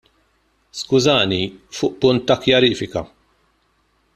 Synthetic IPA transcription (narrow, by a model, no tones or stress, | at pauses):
skʊzɐːnifʊːʔpʊnt̪ːɐkjɐɾiːfɪkɐ̰